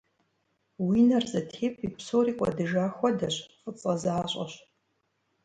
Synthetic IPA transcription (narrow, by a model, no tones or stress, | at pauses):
winɐrzɐtʰeːpʰʼipsoːriːkʷʼɐ̰dɨʒaːxʷɔdɐɕqət͡sʼɐzaːɕʷʼɐ̰ɕ